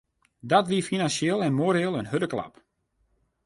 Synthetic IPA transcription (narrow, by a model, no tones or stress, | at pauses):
dɔtʋiəfinansjeːlˠɛnmoːɾeːlˠənɦødəkla̰p